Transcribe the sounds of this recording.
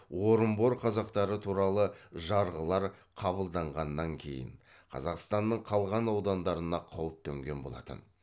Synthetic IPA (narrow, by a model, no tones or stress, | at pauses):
wo̞ɾəmboɾqʰɑzɑqt̪ɑɾət̪ʰuɾɑlˠəʒɑɾʁəlˠɑɾqʰɑbəlˠd̪ɑɴʁɑnːɑŋkʲʰe̞̰jɪ̰ɴ | qʰɑ̰zɑqst̪ɑnːəɴqʰɑlˠʁɑnɑwd̪ɑnd̪ɑɾənɑqʰɑwəp̚t̪ʰɵŋɡʲe̞nbo̞lˠɑ̰t̪ə̰n